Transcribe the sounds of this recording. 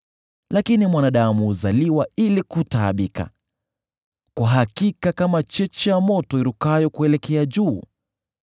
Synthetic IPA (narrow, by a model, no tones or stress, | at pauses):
lakinimwanaɗamuːzaliwailikutaːɓika̰ | kwaɦakikakamat͡ʃɛt͡ʃɛjamɔtɔiɾukajɔkuɛlɛkɛad͡ʒuː